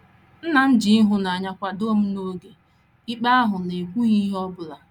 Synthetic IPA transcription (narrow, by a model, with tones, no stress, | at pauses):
n̩˦na˨n̩˦d͡ʒi˨i˦ɦʊ˦na˨a˨ɲa˦kʷa˦do˦m̩˦no˦ɡe˨ | i˦k͡pa˦a˦ɦʊ˨ne˨kʷu˦ɣi˦ɦɔ˦bʊ˨la˨